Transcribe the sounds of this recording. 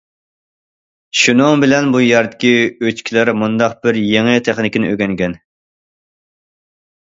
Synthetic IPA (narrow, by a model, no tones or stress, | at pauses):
ʃunɨŋbɪlɛnbujɛɾd̪ɪ̥kʲiøt͡ʃkʲʰilæɾmund̪ɑqb̥ɪɾjeŋɪt̪ʰɛχnɪkʲɪnɪ̰ʔøɡʲɛŋɡʲɛn